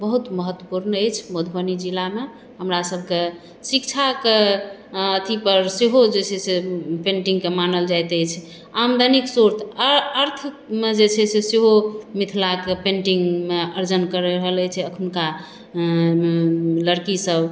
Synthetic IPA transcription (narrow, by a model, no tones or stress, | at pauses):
bəɦut̪məɦət̪ːwəpuɾnəjt͡ʃʰmod̪ʱbənid͡ʒilame | ɦəmɾasəb̚ʱke | sikt͡ʃʰake | ət̪ʰipəɾseɦod͡ʒet͡ʃʰɛsepeɳʈiŋɡkemanəld͡ʒajt̪əjt͡ʃʰ | amd̪ʱəniksoɾt̪ʰəɾt̪ʰ | med͡ʒet͡ʃʰɛseseɦomit̪ʰlakepẽɳʈiŋɡmeəɾd͡ʒənkəɾeɾəɦələjt͡ʃʰɛəkʰunka | ləɾkisəb